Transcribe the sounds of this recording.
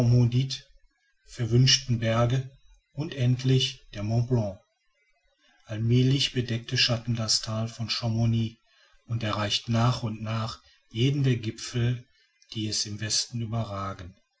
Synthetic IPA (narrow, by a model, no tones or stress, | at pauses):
ɔmodit | fɛɐvʏnʃtn̩bɛɐɡə | ʔʊntʔɛntʰlɪçd̥eːɐmɔ̃plɔ̃ | ʔalmɛːlɪçb̥ədɛk̚təʃatn̩dastʰaːlfɔnʃɔmoniː | ʊntɛɐʁaɪçtnaːχʊntnaːχ | jeːdn̩deːɐɡɪpfl̩ | d̥iːɛsɪmvɛstn̩yːbɐʁaːɡən